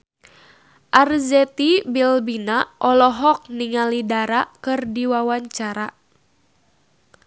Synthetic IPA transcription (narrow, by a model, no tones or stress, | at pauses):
ʔarzɛt̪ibilbinaʔɔlɔɦɔk̚niŋalidaɾakɨrdiwawaɲt͡ʃaɾa